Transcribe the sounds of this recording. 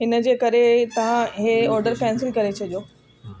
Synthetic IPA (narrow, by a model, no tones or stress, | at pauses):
ɦɪnə̆d͡ʑeːkɐɾet̪ɐʋ̤ãɦeɔːɾɖəɾfɛ̃ːnsɪlkɐɾet͡ɕʰɐɗijoː